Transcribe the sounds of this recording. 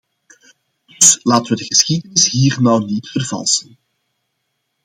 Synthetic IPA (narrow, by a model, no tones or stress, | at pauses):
dd̥ɵslaːtəʋədəɣəsxidənɪsɦiːrnɔwnitfərvɑ̰lˠsən